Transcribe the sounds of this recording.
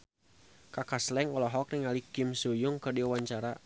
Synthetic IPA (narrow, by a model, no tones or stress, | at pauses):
kakaslɛŋɔlɔɦɔk̚rɪŋalikɪmsujʊŋkɨrdiawaɲt͡ʃaɾa